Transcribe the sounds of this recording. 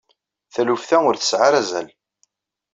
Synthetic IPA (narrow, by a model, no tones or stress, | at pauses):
θælufθæʊɾθə̥sʕaɾæzæ̰l